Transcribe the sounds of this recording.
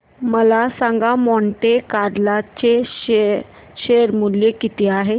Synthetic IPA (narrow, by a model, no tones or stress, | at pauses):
məlasãŋɡamɔɳʈekaɽlat͡ɕe | ɕeɾmuljekit̪eaɦe